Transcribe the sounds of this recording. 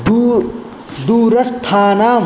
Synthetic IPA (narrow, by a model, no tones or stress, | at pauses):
d̪uːɾɐst̪ʰaːnaː